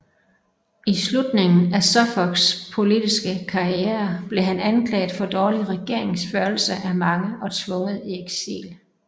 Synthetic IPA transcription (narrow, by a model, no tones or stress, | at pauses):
islud̥ne̝ŋn̩æsɒfɒɡ̥spʰo̝lidisɡ̥əkʰɑ̈ieɐb̥le̝ɦænænkʰlɛ̰ːɪð̩ˠfɒ̽d̥ɒːliʁɛɡ̥e̝ɐ̰e̝ŋsføɐlsəʔæmɑ̈ŋəʔɒ̽t͡sʰʋɔ̽ŋəð̩ˠieɡ̥sḭːl